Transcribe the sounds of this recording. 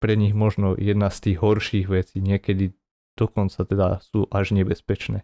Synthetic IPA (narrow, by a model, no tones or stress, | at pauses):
pɾɛɲiɣmɔʒnɔjɛd̪nast̪iːɣɦɔɾʃiːɣʋɛt͡siːɲɪɛkɛd̪i | d̪̥ɔkɔnt͡sat̪ɛd̪asuːʔaʒɲɛbɛspɛt͡ʃnɛː